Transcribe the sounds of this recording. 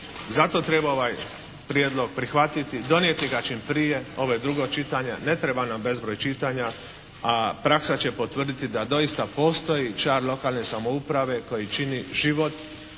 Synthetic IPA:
zat̪o̞t̪ɾe̞baoʋaj | pɾjed̪lˠo̞ɡ̚pɾixʋat̪it̪id̪o̞njet̪iɡat͡ʃimpɾije̞o̞ʋojed̪ɾuɡo̞t͡ʃit̪aɲane̞t̪ɾebanambe̞zbɾojt͡ʃit̪aːɲa | apɾaksat͡ɕe̞pot̪ʋr̩d̪it̪id̪ad̪o̞ist̪apo̞ːst̪o̞jit͡ʃaːɾlo̞kaːlne̞samoupɾaʋe̞ko̞jit͡ʃiniʒiʋo̞t̪

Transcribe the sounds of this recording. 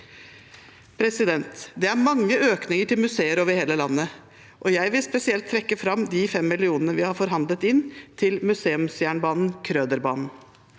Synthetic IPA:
pʰɾɛsɪd̪ɛnt̪d̪ɛæɾmɑŋːəøːknɪŋəʈʰɪlmʉseːəɾoːʋəɾheːləlɑnːə | ʔɔjæɪʋɪlspɛsɪɛlt̪ʰːɾɛkːəfɾɑmd̪ɪfɛmːɪlɪuːnənəʋɪhɑɾfɔɾɦɑnd̪lət̪ɪnːt̪ʰɪlmʉseːʉmsjæːɳbɑːnn̩kʰɾøːd̪əɾbɑ̰ːnn̩

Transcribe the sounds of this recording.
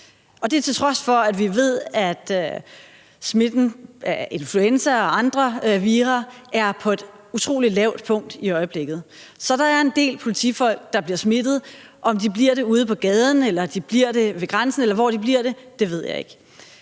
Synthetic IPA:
ɒ̽d̥eæt͡sʰe̝lt͡sʰʁɒ̽sfɒ̽æd̥ʋiʋe̝ð̞̰ˠæd̥ | smed̥n̩e̝nfluensɐɒ̽ɑ̈nd̥ʁɐʋiːʁɐæɐpʰɒ̽e̝d̥ | ut͡sʰʁo̝̰ːlilɛʊ̰d̥pʰɔ̽ŋ̰d̥iɒ̽ɪəb̥le̝ɡ̥ð̩ˠ | sɒ̽ɾ̥ɑ̈æɐe̝nd̥e̝̰ːlpʰo̝lit͡sʰḭfɒ̽l̰ɡ̥d̥ɑ̈b̥liɐsmed̥ð̞̩ˠʔɒ̽md̥ib̥liɐ̰ɾ̥e̝uːð̞ˠəpʰɒ̽ɡ̥ɛːð̞ˠn̩elɐd̥ib̥liɐ̰d̥e̝ʋe̝ɡ̥ʁansn̩elɐʋɒ̰d̥ib̥liɐɾ̥e̝d̥e̝ʋe̝ð̞̰ˠjɑ̰ɪe̝ɡ̥

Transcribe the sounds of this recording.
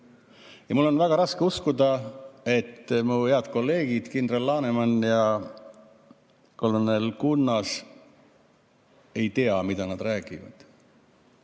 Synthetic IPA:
jɑmulːo̞nvæɡ̥ɑɾɑskeuskud̪ɑe̞t̪ːmuheɑd̪̥ko̞lːe̞ːɡ̥id̪̥kind̪relːɑːnemɑnjɑ | kolːɑnːelkunːɑs | e̞jt̪eɑmid̪̥ɑnɑd̪̥ɾæːɡivɑ̰d̪̥

